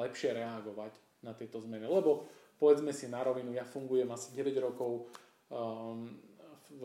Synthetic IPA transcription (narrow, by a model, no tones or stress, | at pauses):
ɛpʃɪɛɾɛaɡɔʋaɟ | nat̪ɪɛt̪ɔzmɛnilɛbɔpɔʋɛd͡zmɛsinaɾɔʋinujafuŋɡujɛmasiɟɛʋɛɟɾɔkɔʊ